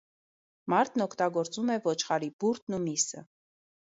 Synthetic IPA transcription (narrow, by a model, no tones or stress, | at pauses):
mɑɾt̪ʰnɔkʰt̪ɑɡɔɾt͡sumɛvɔt͡ʃʰχɑɾibuɾt̪̚ʰnumisə̰